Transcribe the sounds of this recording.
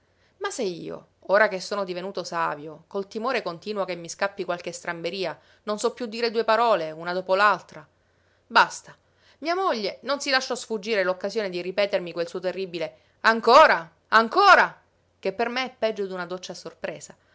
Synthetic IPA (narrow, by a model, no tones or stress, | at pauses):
maseiːo̰ | oːɾakesːoːnod̪ivenuːt̪osa̰ːvjokolt̪imoːɾekont̪iːnwokemːiskapːikwalk̟est̪ɾambeɾiːa | nonsɔpːjud̪ːiːɾed̪uːepaɾɔːleunad̪oːpolalt̪ɾa | bast̪a | miːamoʎːenonsilaʃːɔsfud͡ʒːiːɾelokːazjoːned̪iripɛːt̪ermikwelsuːot̪erːibile | aŋkoːɾa | aŋkoːɾa | kepːermeɛpːɛd͡ʒːod̪unad̪ot͡ʃːasorpɾḛːsa